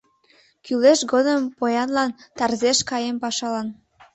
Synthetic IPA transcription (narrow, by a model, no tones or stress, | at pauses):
kyleʃɡod̪əmpojɑnlɑnt̪ɑrzeʃkɑjempɑʃɑlɑn